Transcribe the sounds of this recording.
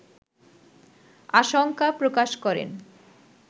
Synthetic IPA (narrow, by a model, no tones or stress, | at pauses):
aʃoŋkapɾokaʃkɔɾḛn